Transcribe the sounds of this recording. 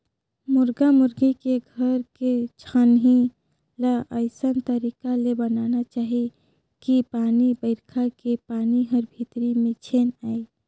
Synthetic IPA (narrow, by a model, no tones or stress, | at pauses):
mʊɾɡamʊɾɡikeɡʱəɾket͡ʃʰanɦi | laʔəɪsənt̪əɾikalebənanat͡ʃaːɦi | kipaːnibəɪɾkʰakepaːniɦəɾbʱit̪ɾimẽt͡ʃʰenaːj